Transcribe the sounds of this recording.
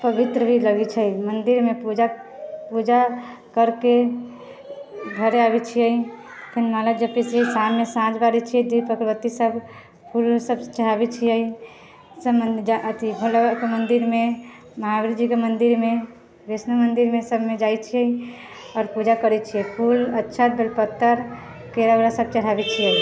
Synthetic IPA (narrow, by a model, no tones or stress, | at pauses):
pəbit̪ɾəbʱiləɡɛt͡ʃʰəimənd̪iɾmepud͡ʒa | pud͡ʒa | kəɾke | bʱəɾeabɛt͡ʃʰijəi | pʰinmalad͡ʒəpiseisãmːesãt͡ʃbaɾit͡ʃʰijɛd̪ipəkɾʋət̪ːisəbʱ | kʰulsəbt͡ʃəɦabɛt͡ʃʰijəi | səməd͡ʒaʔət̪ibʱolakemənd̪iɾme | məɦabɾid͡ʒikemənd̪iɾme | besnəmənd̪iɾmesəbʱmed͡ʒajt͡ʃʰijəi | ɔɾpud͡ʒakəɾɛt͡ʃʰijɛjpʰulətːʃʰabʱelpət̪ːəɾ | keɾaɾasəb̚t͡ʃəɽ̤abɛt͡ʃʰijəj